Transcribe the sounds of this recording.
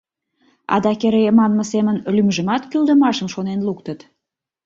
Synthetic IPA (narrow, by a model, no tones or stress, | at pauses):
ɑ̰d̪ɑkeɾejemɑnmə̆semənlymʒə̆mɑt̪kyld̪əmɑʃəmʃonenlukt̪ət̪